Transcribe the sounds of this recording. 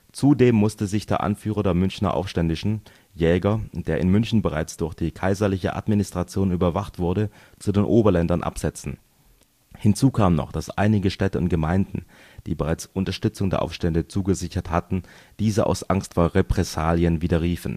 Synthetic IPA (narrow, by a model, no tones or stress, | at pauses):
t͡sudeːmːʊstəzɪçd̥eːɐʔa̰nfyːʁɐdeːɐmʏnçnɐ̰ʔa̰ʊfʃtɛndɪʃn̩ | jɛːɡɐd̥eːɐʔɪnmʏnçn̩bəʁa̰ɪt͡sd̥ʊɐçd̥iːkʰaɪzɐlɪçə̰ʔa̰tminɪstʁ̥at͡sjoːnyːbɐvaχtv̥ʊɐɾə | t͡sudeːnʔoːbɐlɛndɐnʔa̰pz̥ɛt͡sn̩ | hɪnt͡suːkʰaːmənɔ̰χd̥asʔa̰ɪnɪɡəʃtɛtəʊ̰nt̚ɡ̥əmaɪndn̩ | d̥iːbəʁaɪt͡sʔʊntɐʃtʏt͡sʊŋdeːɐʔa̰ʊfʃtɛndət͡suːɡəzɪçɐthatn̩d̥iːzəʔa̰ʊsʔaŋstfoːɐʁepʁ̥ɛsaːljənviːdɐʁiːfn̩